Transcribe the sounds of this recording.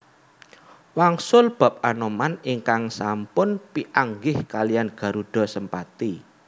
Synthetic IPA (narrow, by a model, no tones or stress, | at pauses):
waŋsʊlb̥ä̤p̚anomaniŋkaŋsampʊnpiʔaŋɡɪhkalijanɡ̥ä̤ɾuɖ̥ɔ̤səmpat̪i